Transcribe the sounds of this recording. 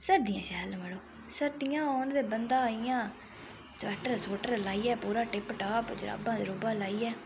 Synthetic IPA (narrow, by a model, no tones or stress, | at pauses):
səɾd̪ɪjã̰ːʃɛːlməɽoː | səɾd̪ijãːɔːnd̪eːbənd̪ãːijãː | sʋɛːʈəɾsoːʈəɾlaːiːɛːpuːɾaːʈɪpʈaːpd͡ʒɾa̰ːbãːd͡ʒ̪eɾoːbaːlaːiːɛː